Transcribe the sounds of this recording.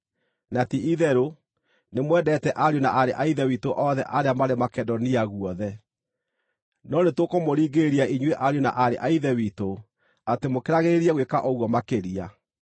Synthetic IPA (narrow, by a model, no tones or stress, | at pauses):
natiiðɛɾo | nemwɛdɛtɛʔaɾjonaʔaɾeʔaiðɛwitoʔɔðɛ̰ʔaɾeamaɾemakɛdɔniaɣwɔðɛ | nɔnetokomoɾiːɡeɾiaiɲweʔaɾjona̰ʔaɾeʔaiðɛwito | atemokeɾaɣeɾeɾiɛɣwekaʔɔɣwɔmakeɾia